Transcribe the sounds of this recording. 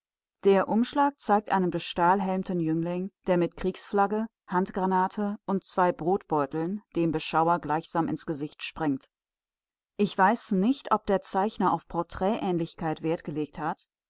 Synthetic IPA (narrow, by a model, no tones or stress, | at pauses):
d̥eːɐʔʊmʃlaːk̚t͡saɪk̚tʔa̰ɪnəmdoʃtaːlɦɛlmtən̩jʏŋlɪŋd̥eːɐmɪtkʁ̥iːksflaɡə | hantɡ̥ʁanaːtʰəʔʊntt͡sv̥aɪbʁoːtb̥ɔʏtl̩nd̥eːmbəʃaʊɐɡlaɪçz̥aːmʔɪ̰nsɡ̥əzɪçtʃpʁ̥ɛŋt | ʔɪçv̥aɪsnɪçtʰʔɔp̚d̥eːɐt͡saɪçnɐʔa̰ʊfpʰɔɐtʁ̥ɛːʔɛːnlɪçkʰaɪtv̥eːɐtɡ̥əleːk̚that